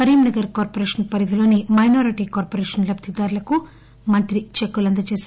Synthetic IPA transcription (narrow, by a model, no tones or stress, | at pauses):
ɐɾiːmnɐɡɐɾkaːɾpoɾeːʂɐnpɐɾid̪ʱilo̞ːnimɐjnoːɾiʈiːkaːɾpoɾeːʂɐnlɐb̚t̪id̪aːɾulɐku | mɐnt̪ɾit͡ʃekːulɐnd̪ɐt͡ʃeːs